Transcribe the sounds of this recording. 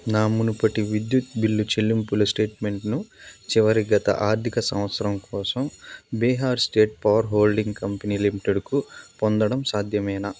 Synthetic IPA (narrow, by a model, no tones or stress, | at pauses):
naːmunupɐʈiʋid̪jut̪bilːut͡ʃelːimpulɐsʈe̞ːʈme̞ɳʈnut͡ʃiʋɐɾiɡɐt̪ɐ̰ʔaːɾt̪ʰikɐsɐ̰mʋɐt̪sɐɾɐmkɔːsɐmbɛːɦaːɾsʈe̞ːʈ̚pɐʋɐɾɦoːlɖiŋɡkɐmpɐniːlimiʈeɖkupond̪ɐɽɐmsaːd̪ʱjɐmɛjna